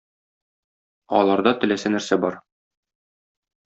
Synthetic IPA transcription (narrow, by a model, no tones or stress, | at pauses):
ɒ̰lˠɑɾd̪ɑt̪ɘ̆læsænæɾsæbɒɾ